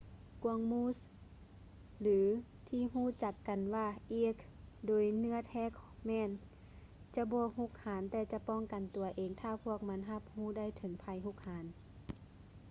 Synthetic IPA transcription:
ku˧əŋmuː˧˥˨s | lɯː˨˦ | t̪ʰiː˧˨ɦuː˧˥˨t͡ɕa˧˩kːa˨nwaː˧˩ʔiː˧˩kʰ | doː˨jnɯ˧˥˨ɐt̪ʰɛː˧˨kʰmɛː˧˥˨n | t͡ɕa˧˦bɔː˧˦hu˧˨k̚haː˨˦nt̪ɛː˧t͡ɕa˧˦pɔː˧˥˨ŋka˨nt̪u˨˩ɐʔeː˨ŋt̪ʰaː˧˩pʰu˧˥˩ək̚ma˧˥nɦa˧p̚huː˧˩˨da˥˨jt̪ʰɤ˨˦ŋpʰa˧˦jɦu˧˥˨k̚haː˨˦n

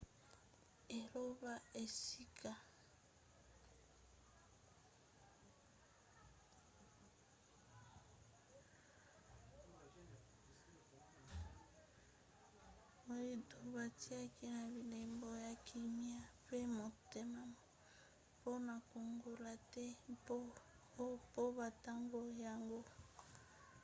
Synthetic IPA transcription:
e˨lo˦βa˦e˨si˦kʰa˨ | bo˨ji˦tu˨ba˨ti˦a˦ki˦na˨bi˨le˨mbo˨ja˨kʰi˨mi˦a˦pe˦mo˨te˨ma˦ma˨ | po˦na˨ko˨ŋɡo˨la˨tɛ˦po˦ | o˦po˦ba˨ta˦ŋɡo˦ja˨ŋɡo˦

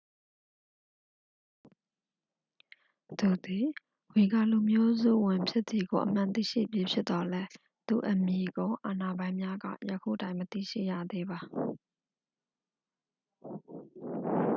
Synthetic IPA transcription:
t̪u˨d̪i˨ | wi˨ɡa̰˨lu˨mjo˦zṵ˦˨wɪ̃˨mpʰjɪ˦t̪ði˨ɡo˨ʔəm̥ã˨nt̪ḭ˦˨ʃḭ˦˨pji˦pʰjɪ˦t̪t̪ɔ˨lɛ˦ | t̪ṵ˦˨ʔəmji˨ɡõ˦ʊ̃ʔa˨na˨bã˨˦ɪ̃mja˦ɡa̰˦˨jəkʰṵ˦˨ʔətã˦ɪ̃mət̪ḭ˦˨ʃḭ˦˨jä̰˦˨d̪e˦ba˨

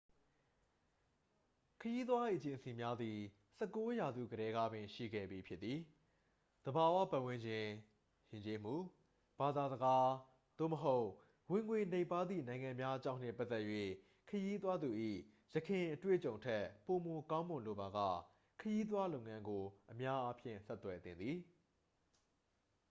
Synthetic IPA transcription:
kʰəji˦t̪̬wa˦i˨ʔət͡ɕɪ̃˨nsi˨mja˦d̪ði˨ | sɛ˦kːo˦ja˨zṵ˦˨ɡəɾɛ˦ɡa˦bɪ̃˨ʃḭ˦˨ɡɛ̰˦˨bji˨pʰjɪ˦t̪t̪ːi˨ | d̪̥əba˨wä̰˦˨pã˦ʔwɪ̃˦ɲd͡ʑɪ̃˨ | jɪ̃˨ɲt͡ɕe˦m̥u˦˨ | b̥a˨d̪a˨zəɡa˦ | d̪̥o̰˦˨məɦo˦ʊ | wɪ̃˨ŋwe˨ne˦ɪ̃pːa˦d̪ðḭ˨nã˨ɪ̃ŋã˨mja˦ʔət͡ɕã̰˦˨n̥˦ɪ̰˦˨pa˦t̪t̪ɛ˦ʔjwḛ˦˨ | kʰəji˦t̪̬wa˦d̪u˨ʔḭ˦˨ | jəkʰɪ̃˨ʔətwḛ˦˨t͡ɕõ˨ʊ̃ntʰɛ˦po˨mo˨kã˦ʊ̃mʊ̃˨lo˨ba˨ɡa̰˦˨ | kʰəji˦t̪̬wa˦lõ˦ʊŋã˦ŋɡo˨ʔəmja˦ʔa˦pʰjɪ̰̃˦˨sɛ˦t̪wɛ˨t̪ɪ̰̃˨nd̪ði˨

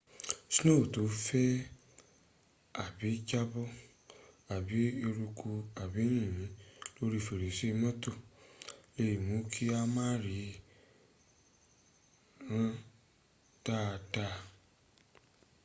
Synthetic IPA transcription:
si˦nõ˦˨to˨˦fɛ˦ | a˦˨bi˨˦d͡ʒa˦bɔ˦ | a˨bi˨˦e˧ɾu˧kʰu˧a˨bi˨˦nĩ˦˨mĩ˨˦lo˦ɾi˦˨fe˨ɾe˨se˦˧mã˦to˦˨ | e˧ji˨mũ˨˦kʰi˦a˦mãː˦ɾi˨˦ | ɾ̃ã˦ | ta˦˧ta˧

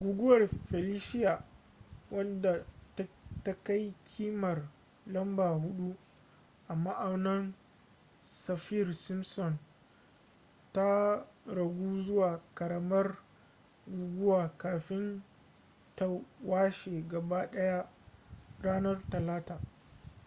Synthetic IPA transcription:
ɡʷuː˨ɡʷʊ˦wɐ˨rɸɛ˨liː˦ʃɪ˦ja˨ | wɐ˦nda˨tta˦ka˦jkʲʰiː˦mɐ˨r | lɐ˦mbaː˨hʊ˦ɗu˦ | ʔa˨ma˦ʔa˨wnɐ˦n | sɐ˨ɸiː˦rsɪ˦msɔ˨n | ta˦ɾɐ˨ɡʷuː˦zʊ˦waː˨kɐ˨ɾɐ˦mɐ˦r | ɡʷuː˨ɡʷʊ˦waː˨kaː˨ɸɪ˦n | ta˦waː˦ʃeː˨ɡɐ˨ba˦ɗɐ˦ja˦ | ɽaː˦nɐ˦rtɐ˨laː˦taː˨

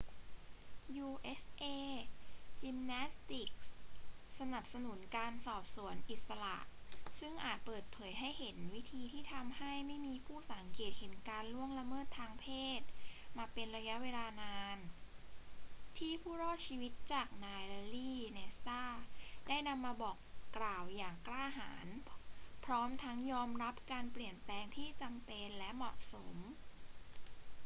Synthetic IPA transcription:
juː˧ʔe˦˥sʔeː˧ | t͡ɕi˧mnɛː˦˥st̪i˨˩k̚ssa˧na˨˩p̚sa˧nu˩˦nkaː˧nsɔː˨˩p̚su˩˦ənʔi˨˩t̪̚sa˧la̰ː˨˩ʔsɯ˥˩ŋʔaː˨˩t̪̚pɤː˨˩t̪̚pʰɤː˩˦jɦa˥˩jhe˩˦nwi˦˥t̪ʰiː˧t̪ʰiː˥˩t̪ʰa˧mha˥˩jma˥˩jmiː˧pʰuː˥˩sa˩˦ŋkeː˨˩t̪̚he˩˦nkaː˧nlu˥˩əŋla˧mɤː˥˩t̪ʰːaː˧ŋpʰeː˥˩t̪̚maː˧pe˧nɾa˧ja˦˥ʔweː˧laː˧naː˧n | t̪ʰiː˥˩pʰuː˥˩ɾɔː˥˩t̪̚t͡ɕʰiː˧wi˦˥t̪̚t͡ɕaː˨˩k̚naː˧liː˥˩ne˧saː˥˩daː˥˩jna˧mːaː˧bɔː˨˩kːɾaː˨˩wjaː˨˩ŋklaː˥˩ɦa̰ː˩˦npʰɾɔː˦˥mt̪ʰa˦˥ŋjɔː˧mɾa˦˥p̚kaː˧npli˨˩ənplɛː˧ŋt̪ʰiː˥˩t͡ɕa˧mpe˧nlɛ˦˥ʔmɔ̰˨˩ʔso˩˦m

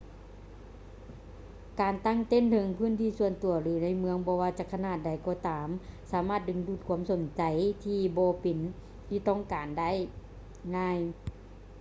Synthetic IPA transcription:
kaː˨˩nt̪a˧˥˩ŋt̪e˧˥˨nt̪ʰɤ˧˦ŋpʰɯː˧˥˨nt̪ʰiː˧˥˨su˧ənt̪u˨˩ɐɾɯː˨˦na˧˥˨jmɯ˧əŋbɔː˧waː˧˩t͡ɕa˧˩kʰa˧naː˧˩t̪̚da˨˩jkɔː˧˩t̪aː˨msaː˨˦maː˧˥˩t̪̚dɯ˨˧˦ŋdu˧˩t̪̚kʰu˧˦ə˨mso˨˩˦nt͡ɕa˨jt̪ʰiː˧bɔː˧˦pe˨˩n | t̪ʰiː˧˩t̪ɔ˧˩˨ŋkaː˨nda˥˨j | ŋaː˧˥˨j

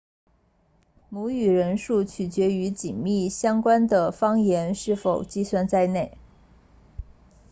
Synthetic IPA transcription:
mu˧˥y˨˩ɻə˧˥nʂu˥˩t͡ɕʰy˨˩t͡ɕɥɛ˧˥y˧˥t͡ɕi˨˩nmi˥˩ɕjɑ˥ŋkwa˥nd̪ə˨fɑ˥ŋjɛ˧˥nʂɻ̩˥˩fo˨˩ʊt͡ɕi˥˧swa˥˧nt͡sa˥˧ɪne˥˩ɪ

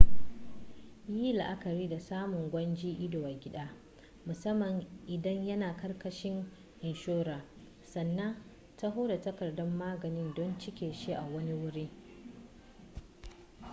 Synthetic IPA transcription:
jiː˦la˨ʔa˦kɐ˨ɾiː˦da˨saː˦mʊ˨ŋɡʷɐ˦nd͡ʒiː˦ʔɪ˦do˨wa˨ɡʲɪ˦ɗaː˦ | mʊ˨sɐ˦mːɐ˨ŋʔɪ˨dɐ˦ɲjɐ˦naː˨kɐ˦rkɐ˨ʃɪ˦ŋ | hɪ˨nʃoː˦ɾaː˨ | sɐ˨nːɐ˦ŋ | ta˦ɦo˦da˨tɐ˦kɐ˨rdɔ˦mːaː˦ɡɐ˨nɪ˦ndɔ˦nt͡ʃɪ˦kʲeː˨ʃi˦ʔa˨wɐ˦ni˦wʊ˦ɾiː˦

